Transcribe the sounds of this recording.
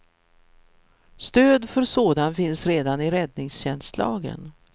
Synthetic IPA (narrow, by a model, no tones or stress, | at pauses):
st̪øːd̪fœɾsoːd̪anfɪnsɾeːd̪anɪɾɛd̪̚nɪŋsɕɛnst̪lɑ̰ːɡə̰n